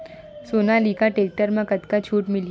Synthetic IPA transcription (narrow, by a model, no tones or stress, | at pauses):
sonalikaʈeːk̚ʈəɾmẽkɐt̪kat͡ʃʰuːʈmɪl